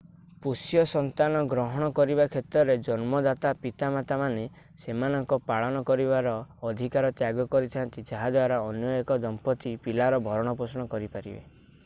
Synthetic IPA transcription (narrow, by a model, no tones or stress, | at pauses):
pusjɔsɔnt̪anɔɡɾɔɦɔɽ̃ɔkɔɾibakʰet̪ɾɔɾed͡ʒɔnmɔd̪at̪apit̪amat̪amane | semanɔŋkɔpaɭɔñɔkɔɾibaɾɔːd̪ʱikaɾɔt̪jaɡɔkɔɾit̪ʰɔnt̪id͡ʒaɦad̪waɾaɔnjɔjekɔd̪ɔmpɔt̪ipilaɾɔbʱɔɾɔɽ̃ɔpɾɔsɔɽ̃ɔkɔɾipaɾibḛ